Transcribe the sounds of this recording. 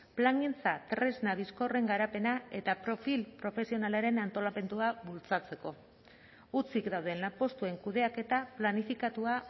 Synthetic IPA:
plaŋent͡sat̪ɾe̞znaðisko̞re̞ŋɡaɾape̞nae̞t̪apɾo̞filpɾo̞fe̞sio̞nalaɾe̞nant̪o̞lame̞nd̪uaβult͡sat͡se̞ko̞ | ut͡sikd̪awð̞e̞nlapo̞st̪ue̞ŋkuðe̞ake̞t̪aplanifikat̪ua

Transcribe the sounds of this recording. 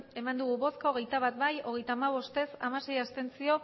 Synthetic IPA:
e̞mand̪uɣuβo̞skaoɣe̞jt̪aβat̪bajo̞ɣ̞e̞jt̪aːmaβ̞o̞st̪e̞samase̞jast̪e̞nt͡sio̞

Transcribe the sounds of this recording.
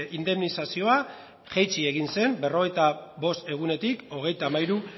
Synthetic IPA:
ind̪e̞mnisasio̞a | ʝejt͡ʃie̞ɣ̞inse̞mbe̞ro̞ɣ̞e̞jt̪aβo̞st̪e̞ɣ̞une̞t̪iko̞ɣ̞e̞jt̪amajɾu

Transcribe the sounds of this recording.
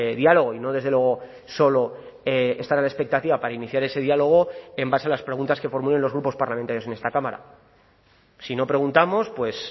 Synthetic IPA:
ðialo̞ɣ̞oino̞ðe̞zðelwe̞ɣo̞ | so̞lo̞ | eest̪aɾalaespe̞k̚t̪at̪iβapaɾainiθjaɾe̞se̞ðialo̞ɣ̞o̞e̞mbasealaspɾe̞ɣ̞unt̪aske̞fo̞ɾmule̞nlo̞zɣɾupo̞spaɾlamẽnt̪aɾjo̞se̞ne̞st̪akamaɾa̰ | sino̞pɾe̞ɣ̞unt̪amo̞spwe̞s

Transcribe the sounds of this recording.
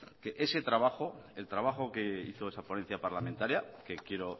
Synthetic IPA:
ke̞ʔe̞se̞t̪ɾaβaxo̞elt̪ɾaβ̞axoke̞iθoe̞saponen̟θjapaɾlamẽnt̪aɾjake̞kje̞ɾo̞

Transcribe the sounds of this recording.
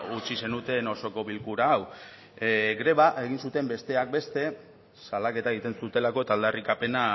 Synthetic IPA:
ut͡ʃise̞nut̪e̞no̞so̞ko̞βilkuɾaːw | ɡɾe̞β̞aʔe̞ɣinsut̪e̞mbe̞st̪e̞ak̚be̞st̪e̞ | salake̞t̪aeɣ̞it̪e̞nsut̪e̞lako̞e̞t̪aːld̪arikape̞na

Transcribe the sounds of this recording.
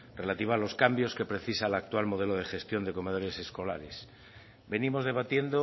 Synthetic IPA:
re̞lat̪iβoalo̞skambjo̞ske̞pɾe̞θisalak̚t̪walmo̞ð̞e̞lo̞ð̞e̞xe̞st̪jo̞nd̪e̞ko̞me̞ð̞o̞ɾe̞se̞sko̞la̰ɾe̞s | be̞nimo̞zðe̞β̞at̪je̞nd̪o

